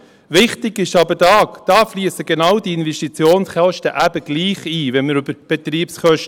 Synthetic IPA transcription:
ʋɪχtɪɡ̥ɪʃɑbədɑːkd̥ɑːfliːəsəɡenɑwdiɪnvɛʃtit͡sjoːnsχælʃtəʔæbəɡ̥liːχiːʋɛnməɾʏbəɾb̥ɛt̪ɾiːpsχœʃt

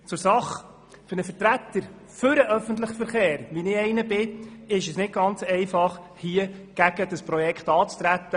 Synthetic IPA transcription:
t͡sʊɾsɑχ | fʏɾnəfəɾtɾæt̪ːəɾ | fʏɾəʔœfənt̪̬ləχəfəɾχeːɾʋinɪɛɪnəbɪɪʃəsnɪt̚ɡɑnt͡sɛɪfɑχ | hiəɡ̥æɡ̥əd̥əspɾɔjɛkχt̪ɑːt͡st̪ɾæt̪ːə

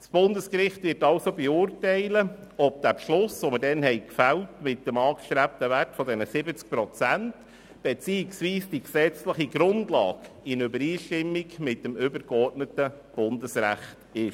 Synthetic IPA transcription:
sb̥ʊndəskɾɪχtʋɪːɾtɑlsobɛʊːrtɛɪləɔb̚d̥æpʃlʊsʋomədɛnhɛɪkfæltmɪt̚d̥əmɑːkʃtɾæp̚təʋærtfɔdɛnəsɪbət͡sk̚pɾɔt͡sænt | b̥ɛt͡siːɪksʋiːsd̥iksɛt͡sləχiɡɾʊndlɑ̰ːɡ | ɪnøbəɾiːʃtɪmːikmɪt̚dəmʏbəɾkɔrtnətə | b̥ʊndəsræ̰χtɪʃ

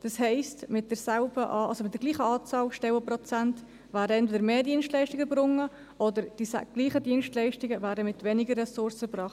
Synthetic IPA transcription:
d̥ɑshɛɪstmɪt̚d̥əɾsælbəʔɑɑlsomɪt̚dəɾɡliːχəɑːt͡sɑːlʃtɛwəpɾɔt͡sant | væːɾəɛntvɛdəɾmeːdiənstlɛɪʃtɪɡəbɾʊŋə | ʔɔdəɾd̥isɡ̥liːχədiənʃtlɛɪʃtɪɡəvæːɾəmɪtvɛnɪɡərːɛsʊɾsəpɾɑːχt

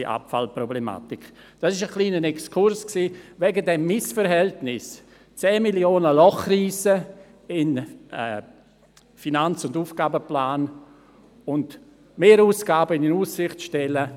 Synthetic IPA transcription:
iʔa̰pfalprɔblema̰ːtɪk | d̥asɪʃəχliːnənɛkskʰʊɾsksiːvɛɡədɛmːɪsfəɾɦɛltnɪs | t͡sɛːmiljoːnəlɔχriːsə | ɪnɛ | finant͡sʊnduːfɡ̥aːbəplaːn | ʊnd | meːɾuːsɡ̥aːbəɪnɪnuːsɪχtʃtɛlə

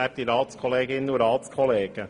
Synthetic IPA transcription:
æːɾtiɾɑːt̪skʰɔleːɡɪnːəuɾɑːt̪skʰɔleːɡ̥ə

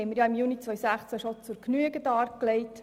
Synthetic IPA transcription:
ɛɪməɾjɑɪmjuːnit͡sʋœʏsæχt͡sæʃɔt͡suɾknyəɡəd̥ɑːɾkleɪt

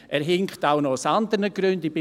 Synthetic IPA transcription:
ʔɛːɾɦɪŋktawnɔʊsand̪əɾnəɡɾʏndibɪ

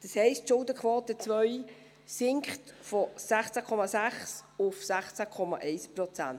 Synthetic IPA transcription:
d̪̥əshɛɪstʃʊldəkχʋɔːt̪ət͡svœʏ | sɪŋkχtfɔsæχt͡sækʰɔmɑsæχsʊfsæχt͡sækʰɔmɑ̰ʔɛɪspɾɔt͡sæ̰n

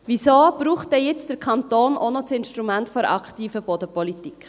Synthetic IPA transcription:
visoːb̥ɾuːχt̚dɛjɪt͡sd̥əɾkʰɑntoːnʔonɔt͡sɪnʃtɾumɛntfɔɾɑ̰ktiːfəb̥odəpɔlitik

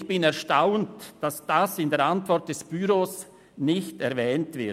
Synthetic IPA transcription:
çb̥ɪnɛɐʁʃtaʊntd̥asd̥asɪndeːɐɾantv̥ɔɾt̚d̥ɛsb̥yɾoːs | nɪçtɛʁvɛːntv̥ɪ

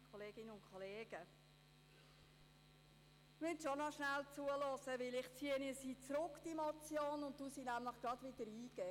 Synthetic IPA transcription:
kʰoleːɡ̥ɪnəʊntkʰɔleːɡ̥ə | mɪtʃonɔʃnælt͡suəlɔsəʋɪlɪχt͡siːənisiːt͡sɾʊkd̥imɔt͡sjoːnʊntd̥uːsiːnæmləχɡ̥ɾɑdʋɪd̥̪əɾiːɡ̥ɛ

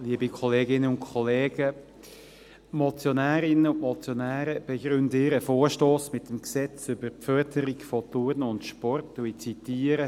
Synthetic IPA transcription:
liːəbikʰɔleːɡɪnəʊntkʰɔleːɡ̥ə | mɔt͡sjɔnæːɾɪnəʊntmɔt͡sjɔnæːɾəb̥ɛɡɾʏndɪɾəfoːɾʃtoːsmɪtəmksɛt͡sʏbəɾpfœɾdəɾiɡfɔtuɾnəʊndʃpɔrtːuit͡sitiːəɾə

